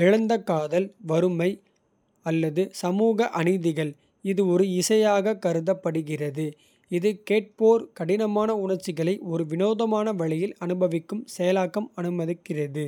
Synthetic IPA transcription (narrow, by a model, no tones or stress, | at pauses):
ɛɻɐnd̪ɐkːaːðɐlʋɐɾɯmɐɪ | ɐlːɐðɯsɐmuːɣɐʔɐɳɪðɪɣɐɭ | ɪðɯɔɾɯɪsɐjaːɣɐkɐɾɯðɐpːɐɽɯɣɪrɐðɯ | ɪðɯkeːʈ̚poːɾkɐɽɪnɐmaːnɐʊɳɐɾt͡ʃːɪɣɐɭɐɪʔɔɾɯʋɪnoːðɐmaːnɐʋɐɭɪjɪlɐnɯbɐʋɪkːɯmsɛjɐlaːkːɐmɐnɯmɐðɯkːɪrɐðɯ